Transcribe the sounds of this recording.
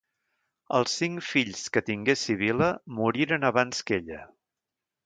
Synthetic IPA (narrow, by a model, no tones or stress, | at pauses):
əlˠsːiŋfiʎskət̪iŋɡesiβ̞iləmuɾiɾənəβanskeʎə